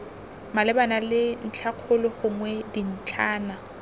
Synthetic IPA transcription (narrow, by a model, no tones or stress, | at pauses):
malɪbanalɪn̩t͡ɬʰaq͡χʰʊlʊχʊŋwɛdin̩t͡ɬʰaːna